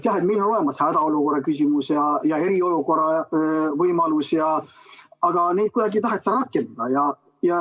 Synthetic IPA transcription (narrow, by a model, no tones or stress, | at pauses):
t̪jɑɦet̪milːono̞le̞mɑshæd̪̥ɑo̞luko̞ɾːɑkysʲimusjɑjɑe̞ɾio̞luko̞rɑvɤjmɑlusjɑ | ɑɡ̥ɑneːd̪̚kujd̪ɑɡit̪ɑɦet̪ːɑɾɑkːˑe̞nd̪̥ɑd̪̥ɑjɑ | jɑ